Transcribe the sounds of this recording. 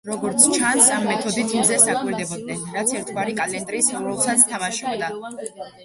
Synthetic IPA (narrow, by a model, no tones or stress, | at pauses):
ɾɔɡɔɾt̪sʰt͡ʃʰansamːɛt̪ʰɔd̪it̪ʰind̪zɛsd̪akʼwiɾd̪ɛbɔd̪̚nɛnɾat̪sʰɛɾt̪ʰvaɾikʼalɛnd̪ɾiːsuɾɛlˠsat̪sʰt̪ʰamaʃɔbd̪a